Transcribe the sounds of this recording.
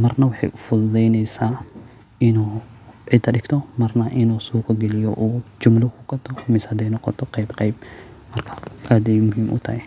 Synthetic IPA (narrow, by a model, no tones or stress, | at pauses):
mɐrnɐwɑħɑ̰jʔʊfʊd̪d̪ɛjnɛjsaː | ɪnuː | ʕɪd̪ʰɐɗɪɡt̪ʰɔmɐrnɐʔɪnuːsuːqɔɡɛlɪjɔ̰ʔuːt͡ʃʊmlʊkʰʊkɐt̪ʰːɔmɪshɐd̪ɛjnɔqɔ̰t̪ʰɔqɑjbqɑjb | mɐrkʰɐʔaːd̪ɛjmʊɦiːmʔʊ̰t̪ʰɐhɛ